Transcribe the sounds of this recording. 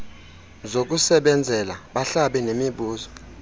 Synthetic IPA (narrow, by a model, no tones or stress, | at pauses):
zok̬usɛɓɛnd͡zʱɛlaɓaɬaɓɛnemiɓuːzɔ̥